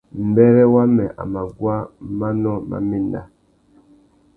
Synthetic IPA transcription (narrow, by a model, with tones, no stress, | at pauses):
m̩˨bɛ˦ɾɛ˦wa˦mɛ˨ʔa̰˨ma˨ɡwa˦ma˦nɔ˦ma̰˦mi˦na̰˦